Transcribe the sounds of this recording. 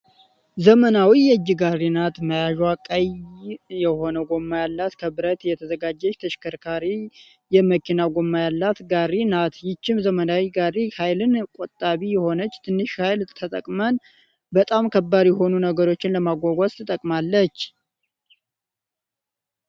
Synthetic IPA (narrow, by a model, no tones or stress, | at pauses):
zəmənawijɛɨd͡ʒːɪɡarːinat̪məjaʒakʼajjɛho̞nəɡo̞mːajalːat̪kʰəbɨɾət̪jɛt̪ʰəzəɡad͡ʒːɛt͡ʃːt̪ʰəʃkʰəɾkʰaɾi | jɛməkinaɡo̞mːajalːat̪ɡarinat̪jɪt͡ʃːɪmzəmənawiɡarihajlɨnkʼot̪ʼːaβijɛho̞nət͡ʃːt̪ʰɨnːɨʃhajlt̪ʰət̪ʼə̰kʼmən | bət̪ʼamkʰəbːaɾjɛɦo̞nunəɡəɾo̞t͡ʃːɪnləmaɡʷaɡʷast̪ɨt̪ʼəkʼmalːət͡ʃː